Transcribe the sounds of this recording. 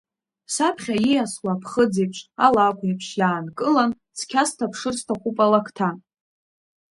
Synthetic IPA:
sapʰχʲaijaswapʰχəd͡zejpʰʂʼalakʷʰʼipʰʂjaːnkʼɨlan | t͡sʰkʲʰastʰapʰʂɨrstʰaqʷʼupʼalakʰtʰa

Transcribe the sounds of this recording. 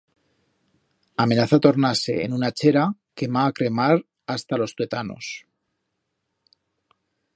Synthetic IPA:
ame̞naθat̪o̞ɾnase̞̰ḛnunat͡ʃe̞ɾake̞βaːkɾe̞maɾ | ast̪alo̞st̪we̞t̪ano̞̰s

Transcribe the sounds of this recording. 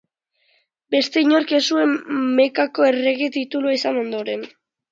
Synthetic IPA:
be̞st̪e̞iɲo̞ɾke̞sue̞mme̞kako̞e̞re̞ɣet̪it̪uluaisano̞nd̪o̞ɾe̞n

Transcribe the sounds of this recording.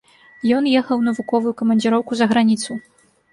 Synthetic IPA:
jɔnjɛxɐwnɐvukɔvujukɐmɐnʲd͡zʲiɾɔwkuzɐɣɾanʲit̪su

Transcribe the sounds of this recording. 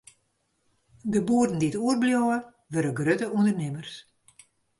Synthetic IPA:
dəbuərdn̩diətuərbljɔːə | ʋøɾəɡrøtəʔundərnɪmərs

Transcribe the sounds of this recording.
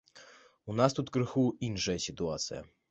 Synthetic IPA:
unast̪ut̪kɾɨxuinʂɐjɐsʲit̪uat̪sɨjɐ̰

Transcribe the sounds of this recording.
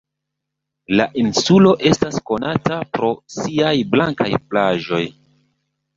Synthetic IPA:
la̰ʔinsulo̞ʔe̞stasko̞natapɾo̞siajblaŋka̰jplaʒo̞j

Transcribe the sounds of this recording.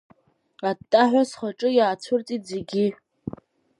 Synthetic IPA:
atʼːaħᶣʷasχaʈ͡ʂʼɨjaːt͡sʷʰʊrt͡sʼitze̞ɡʲi

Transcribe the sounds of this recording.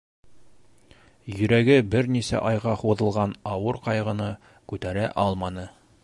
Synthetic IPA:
jɵ̆ɾæɡɘbɘɾnisæ̰ʔɑjʁɑχuðɤ̆lˠʁɑnɑwɤɾqɑjʁɤ̆nɤ | kʉt̪æɾæʔɒlˠmɑnɤ

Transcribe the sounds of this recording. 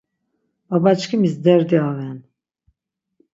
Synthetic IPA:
abat͡ʃkʰimizd̪ɛɾd̪iavɛn

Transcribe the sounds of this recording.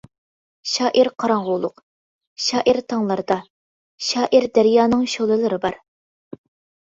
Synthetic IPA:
ʃɑːʔiɾqʰɑɾɑŋʁʊlˠʊq | ʃɑːʔiɾt̪ʰɑŋlˠɑɾd̪ɑ | ʃɑːʔiɾd̪æɾjɑːnɨŋʃolˠɨlˠɨɾɨbɑɾ

